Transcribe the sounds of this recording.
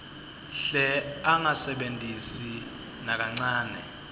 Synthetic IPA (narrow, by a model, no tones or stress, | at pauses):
ɬɛaŋasɛɓentʼisi | nak̬aŋ͡ǀaːnɛ̰